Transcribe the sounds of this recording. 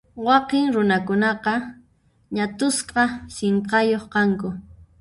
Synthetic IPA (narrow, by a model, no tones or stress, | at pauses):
wɑqɪŋɾʊnakʊnɑqɑ | ɲat̪ʊsqɑseɴqɑjoχqɑŋkʊ